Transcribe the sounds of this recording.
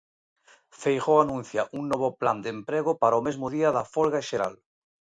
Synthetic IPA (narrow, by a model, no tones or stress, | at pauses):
fejɣowanũnθjaʔuŋnoβopla̰nd̪empɾeɣ̞opaɾaomezmʊðiaðafolɣaʃeɾa̰l